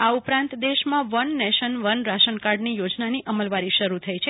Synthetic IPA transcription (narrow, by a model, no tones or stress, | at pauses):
aupɾãnt̪d̪eʃmãʋənːeʃənʋənɾaʃənkaɾɖnijod͡ʒnaniʔəməlʋaɾiʃəɾut̪ʰəjt͡ʃʰe